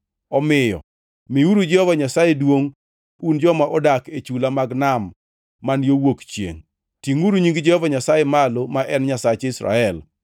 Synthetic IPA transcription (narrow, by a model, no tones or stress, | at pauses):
ɔmɪjɔ̰ | miuɾud͡ʒɛhɔvaɲasajedwoŋ | und͡ʒɔmaʔɔdaket͡ʃulamaɡnamː | anjowokt͡ʃjḛŋ | tiŋuɾuɲiŋɡd͡ʒɛhɔvaɲasajemalomaʔɛnɲasat͡ʃɪsɾa̰ɛl